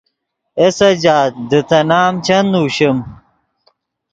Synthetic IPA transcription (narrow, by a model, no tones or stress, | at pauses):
esɐd͡ʑaːt̪̚d̪ət̪ɐnaːmt͡ɕɐnuːɕɐm